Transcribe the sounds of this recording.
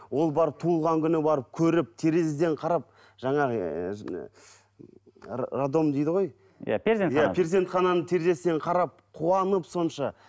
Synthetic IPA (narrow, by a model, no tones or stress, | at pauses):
wo̞lˠbɑɾəp̚t̪ʰuəlˠʁɑŋkʲʰʏnɪbɑɾəp̚kʲʰɵɾɪp̚t̪ʰe̞ɾe̞sd̪e̞ɴqʰɑɾɑp̚ | ʒ̥ɑɴɑ | rad̪o̞md̪ejd̪əʁo̞j | ja̰peɾzenjapʰʲeɾzʲe̞nt̪χɑnɑnət̪ʰe̞ɾd̪e̞sd̪e̞ɴqʰɑɾɑp̚qʰuɑnəpso̞nʃɑ